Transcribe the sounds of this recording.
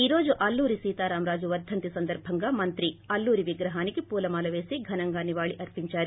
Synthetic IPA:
iːɾoːd͡ʒuʔɐlːuːɾisiːt̪aːɾaːmɾaːd͡ʒuʋɐd̪ʱːɐnt̪isɐnd̪ɐɾbʱɐŋɡɐmɐnt̪ɾiɐlːuːɾiʋiɡɾɐɦaːnikepuːlɐmaːlɐʋeːsiɡʱɐnɐŋɡaːniʋaːɭiʔɐɾpiɲt͡ʃaːɾi

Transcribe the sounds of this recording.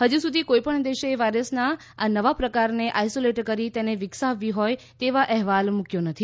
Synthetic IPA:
ɦəd͡ʒusud̪ʱikoipəɳd̪eʃeʋajɾəsna | anəʋapɾəkaɾneʔajsoleʈkəɾit̪eneʋɪksaʋːiɦoj | t̪eʋaʔɛɦʋalmukjonət̪ʰi

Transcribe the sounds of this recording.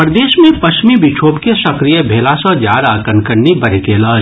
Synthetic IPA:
pɾd̪eːʃmẽpɐʃt͡ʃmibɪt͡ʃʰoːpkesɐkɾijəbʱeːlasɔd͡ʒaːɾakɐnkəɽnibɐɾɪkeːlaː

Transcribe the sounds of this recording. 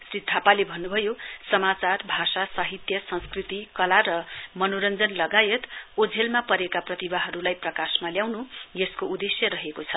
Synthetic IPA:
srit̪ʰapalebʱʌnːubʱʌjosʌmat͡sarbʱasasaɦit̪jʌsʌ̃nskrit̪ikʌlaɾʌmʌnoɾʌnd͡zʌnlʌɡajet̪ud͡zʱelmapʌɾekaprʌt̪ibaɦʌɾulajprʌkasmaljawnujeskoud̪esjʌɾʌɦekot͡sʰʌ

